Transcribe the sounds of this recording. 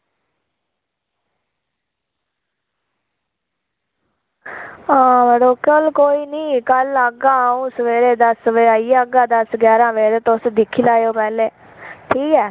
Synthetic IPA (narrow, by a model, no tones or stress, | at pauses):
aːʋəɽoːkəlkoːiːnĩːkələɡaːũːsəʋeːɾeːd̪əsʋeːaːiːəɡaːd̪əsɡjaːɾãːʋeːɾeːt̪osd̪ɪkʰːiːlaːjoːpɛːleː | ʈʰiːkɛː